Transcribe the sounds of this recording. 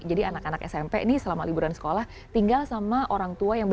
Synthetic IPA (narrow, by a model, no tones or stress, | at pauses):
d͡ʒadianakanakɛ̰sɛmpɛ̰ʔnɪsəlamalibuɾansə̥kolah | t̪iŋɡalsamaʔoɾaŋt̪uajaŋb